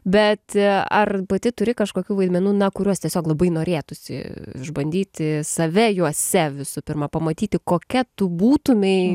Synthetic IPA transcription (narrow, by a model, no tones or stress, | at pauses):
bʲɛt̪ɐ̰rpɐt̪ʲɪt̪ʊɾʲɪkɐʃkoːkʲuːʋɐɪd̪ʲmʲɛnuːnɐkʊɾʲuɔst̪ʲiɛsʲoːklˠɐbɐɪnoːɾʲeːt̪ʊsʲɪ̰ʒbɐnʲd̪ʲiːt̪ʲɪsɐʋʲɛjuɔsʲɛʋʲɪsʊpʲɪrmɐpɐmɐt̪ʲiːt̪ʲɪkoːkʲɛt̪ʊbuːt̪ʊmʲɛɪ